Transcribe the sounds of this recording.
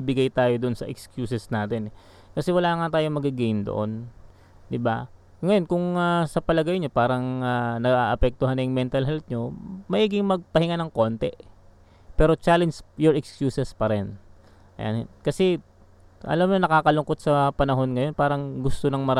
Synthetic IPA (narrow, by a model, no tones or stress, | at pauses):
bɪɡajt̪aːjod̪oʔonsɐ̰ʔɛkskjuːsɛsnaːt̪ɛnɛ | kɐsɛwɐlaːŋat̪aːjomɐɡɪɡind̪o̰ʔo̞n | d̪ɪba | ŋɐjo̞nkʊŋasɐpɐlɐɡɐjɲapaːɾɐŋanɐɡaʔɐpɛk̚t̪ʊɦanːɐjʊŋmɛnt̪ɐlɦɛlp̪̚ɲomɐʔiːɡɪŋmɐɡ̚pɐhɪŋanɐŋko̞nt̪ɛʔ | pɛːɾo̞t͡ʃaːlɛnd͡ʒjoɹʔɛkskjuːsɛspɐɾɛn | ʔɐ̰ja̰nhɛ̰nkɐsɛ | ʔɐ̰lamɲonɐkaːkɐlʊŋko̞t̪̚sɐpɐnɐɦo̞nŋɐjo̞npaːɾɐŋɡʊst̪onɐŋmɐɾa